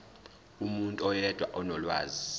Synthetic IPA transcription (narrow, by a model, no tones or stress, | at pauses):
umuntʼuɔjɛd̥ʱwa̰ʔɔnɔlwaːzi